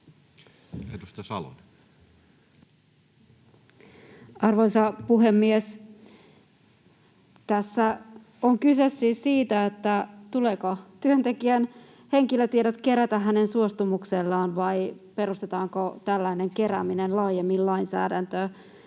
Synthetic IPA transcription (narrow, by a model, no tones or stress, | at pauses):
et̪ust̪ɑsɑ̰lo̰n | ɑrʋoisɑpuɦe̞mːies | t̪æsːæ | oŋkysesːiːssiːt̪æet̪ːæt̪ulekot̪yønt̪ekiæn | he̞ŋkiløt̪ieɾæt̪ke̞ɾæt̪æɦænensuost̪umukselːɑːnʋɑjpe̞ɾust̪et̪ɑːŋkot̪ælːæine̞ŋke̞ɾæ̰minenlɑːjemːillɑinsæ̰ːdænt̪ø